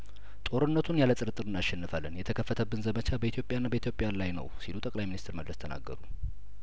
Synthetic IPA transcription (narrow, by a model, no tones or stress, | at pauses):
t̪ʼo̞ɾɨnːət̪ʰunjalət̪ʼɨɾɨt̪ʼːɨɾɨnːaʃːɛnːɨfalːənjɛt̪ʰəkʰəfːət̪ʰəbːɨnzəmət͡ʃʰabəit̪ʰjo̞pʼjanːabəit̪ʰjo̞pʼɪjalajnə̰wsilut̪ʼəkʼlajminist̪ʰɨɾməd̪lːəst̪ʰəna̰ɡːə̰ɾu